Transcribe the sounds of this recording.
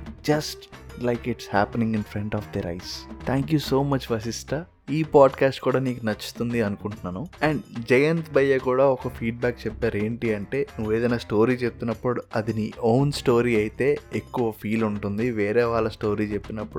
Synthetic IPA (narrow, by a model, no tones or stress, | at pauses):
d͡ʒɐsʈlɐjkiʈshæːpenĩŋɡinpʰɾeɳʈɔːfd̪eɾɐ̰jst̪ʰaːŋkjuso̞ːmɐt͡ʃʋɐs̬isʈɐ | iːpaːɖkaːsʈkuːɽaːniːkunɐt͡ʃːu̥t̪und̪iɐnukuɳʈunːaːnuɛːɳɖd͡ʒɐjɐnt̪bɐjːɐkuːɽaːɔkɐpʰiːɖ̚baːk̚t͡ʃepːaːɾe̞ːɳʈiɐɳʈe̞ːnuʋːeːd̪ɐjnaːsʈo̞ːɾiːt͡ʃep̚t̪unːɐpːuɽuɐd̪inioːnsʈo̞ːɾiːɐjit̪e̞ːekːuʋɐpʰiːluɳʈund̪iʋeːɾeːʋaːɭːɐsʈo̞ːɾiːt͡ʃe̞pːinɐpːuɽu